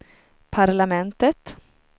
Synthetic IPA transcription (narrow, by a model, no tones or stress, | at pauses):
pʰaɾlamɛnt̪ət̪